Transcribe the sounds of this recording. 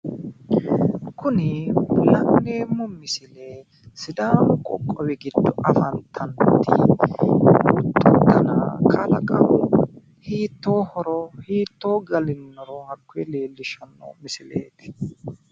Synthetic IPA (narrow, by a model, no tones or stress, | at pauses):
kʰʊnɪʊlɐneːmːɔmɪsɪleː | sɪd̪aːmʊkʼɔkʼːɔwɛɡɪd̪ːɔʔɐfɐnt̪ʰɐnt̪ːi | ʊt̪ːʊd̪ɐna̰kʰɐlɐkʼɐwʊ | hiːt̪ːo̞ːhɔɾɔhiːt̪ːo̞ːɡɐlɪnːɔɾɔhɐkːʊɛleːlːɪʃɐnːɔ̰mɪsɪlḛːt̪ɪ̥